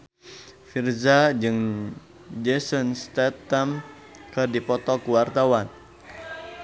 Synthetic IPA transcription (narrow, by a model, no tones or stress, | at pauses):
firzad͡ʒɨŋ | d͡ʒesɔnst̪ɛt̪am | kərdipɔt̪ɔkuwart̪awan